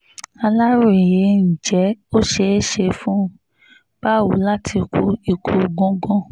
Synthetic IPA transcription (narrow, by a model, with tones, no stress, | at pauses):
a˧la˦ɾo˦˨e˨je˨˦n̩˨d͡ʒɛ˨˦o˦ʃe˧˦ʃe˧fũ˦ | b̥a˦˨wṵ˨˦la˦tʰi˧ku˦i˨kʰu˧˨ɡɔ̃˦ɡɔ̃˦